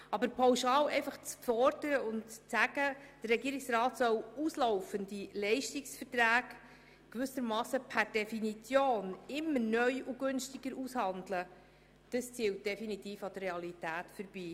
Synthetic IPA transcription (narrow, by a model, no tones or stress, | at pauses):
ɑbəɾpʰawʃɑːlɛɪfɑχt͡sfɔrdəɾəʊnt͡st͡sæɡəd̥ərːɛɡiːɾɪksrɑːtsœwuːsloʊfəndilɛɪʃtiksfərtræːk | kːʋʏsəɾmɑːsəpʰæɾd̥ɛfinit͡sjoːnɪmːəɾnœʏuɡ̥ʏnʃtiɡ̥əɾushɑndlə | d̥əst͡siːwt̚d̥ɛfinitiːfɑd̥ərːeɑlitæːtfəɾb̥iː